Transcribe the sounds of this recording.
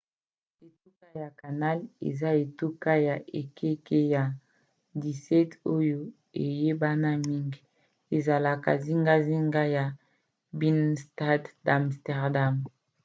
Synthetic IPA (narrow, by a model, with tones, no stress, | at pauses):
e˨tu˦ka˦ja˨ka˨na˦lḛ˨za˦e˨tu˦ka˦ja˨ʔe˨kʰe˦ke˦ja˨ | di˨sɛ˦to˦jo˦ | e˨je˦ba˦na˦mi˦ŋɡ | e˨za˨la˨ka̰˨zi˦ŋɡa˦zi˦ŋɡa˦ja˨ | bi˦nsta˦dda˨mstɛ˨ʁda˦˨m